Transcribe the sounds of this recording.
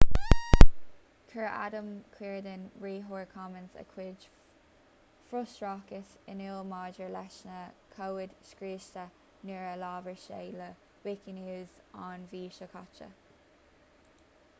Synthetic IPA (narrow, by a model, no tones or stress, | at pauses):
kʰəɹa̰d̪əmkʰwiːɹd̪ənɹiːɦuːɹkʰɑmənsə̰kʰwɪd͡ʒ | fɹʊstɹɑːkəsɪnɪlˠmɑːd͡ʒəɹlɛʃnəkʰowɪd̪̥skɹiːʃtə | nɪɹəlɑːvəɹʃḛːlə | wɪkinuːz | anviːʃəkʰɑ̰t͡ʃə̰